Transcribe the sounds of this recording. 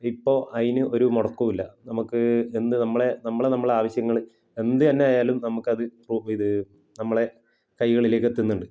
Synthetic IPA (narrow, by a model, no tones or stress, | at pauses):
ipːo̞ːʔɐðinɨʔo̞ɾumoɽɐkːumilːɐnɐmukːɨend̪ɨnɐmːɐɭe̞nɐmːɐɭenɐmːɐɭeaːʋɐɕjɐŋːɐɭ | e̞nd̪ɨt̪ɐnːe̞aːjaːlumnɐmukːɨɐðɨpruiðɨ | nɐmːɐɭe̞ | kɐjɣɐɭileːkːet̪ːunːuɳɖɨ